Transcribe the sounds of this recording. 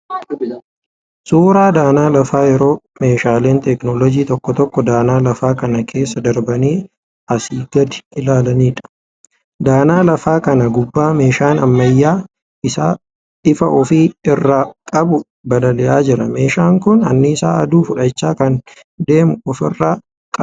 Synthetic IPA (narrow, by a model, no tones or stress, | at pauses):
suːɾaːd̪aːnaːlɐfaːjɛɾo̞ː | me̞ːʃaːle̞ːnt̪ɛknɔːlɔd͡ʒiːt̪ɔkːɔt̪ɔkːɔd̪aːnaːlɐfaːkɐnɐkʰe̞ːsːɐd̪ɐɾbɐniː | ɐsiːɡɐd̪ɪ̥ɪlaːlɐniːᶑɐ̥ | d̪aːnaːlɐfaːkɐnɐɡʊbːaːme̞ːʃaːnɐmːɐjːaː | ɪsaː | ɪfɐʔɔfiːɪrːakʼɐbʊ | bɐlɐlɛʔaːd͡ʒɪɾɐme̞ːʃaːŋkʊnɐ̰nːɪɪsaːɐd̪uːfʊᶑɐt͡ʃːaːkɐn | d̪e̞ːmʊɔfɪrːaː | kʼɐ